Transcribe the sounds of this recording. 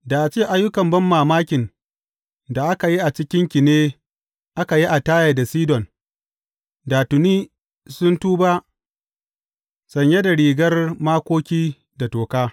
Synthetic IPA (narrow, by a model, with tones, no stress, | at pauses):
da˨ʔa˨t͡ʃeː˦˨ʔa˦jːʊ˦kɐ˨mbɐ˦mːaː˨maː˦kʲɪ˨n | da˨ʔa˦ka˨ji˦ʔa˨t͡ʃɪ˦kʲɪ˦ŋkʲɪ˨neː˦ | ʔa˦ka˨ji˦ʔa˨taː˦ja˨da˨siː˦dɔ˨n | daː˨tʊ˨niː˦ | sʊ˦ntuː˦ba˦ | sɐ˨ɲje˦da˨ɽiː˨ɡɐ˦rmaː˦kʷoː˦kʲiː˦ | da˨toː˨kaː˦